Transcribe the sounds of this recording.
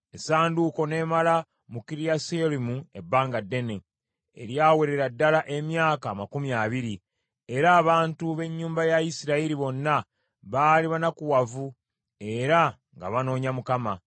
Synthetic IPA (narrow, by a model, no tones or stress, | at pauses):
esaːnduko̞ne̞ːmala | mukiɾijaselimue̞bːaːŋɡadːe̞ne | ḛɾjaːweɾe̞ɾadːalaʔe̞mjaːkaːmakumjaβiɾi | e̞ɾaːβaːntuβe̞ɲːuːmbajaisiɾaiɾiβo̞nːa | βaːliβanakuwavu | e̞ɾa | ŋɡa̰βano̞ːɲamukama